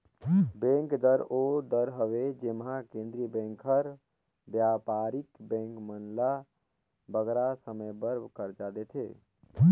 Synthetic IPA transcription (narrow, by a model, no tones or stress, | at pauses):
bẽŋkd̪əɾod̪əɾɦəʋed͡ʒemɦakẽnd̪ɾibɛ̃ŋkʰəɾ | bjapaɾikbɛ̃ŋkmənla | bəɡɾasəməjbəɾbʱkəɾd͡ʒad̪et̪ʰḛ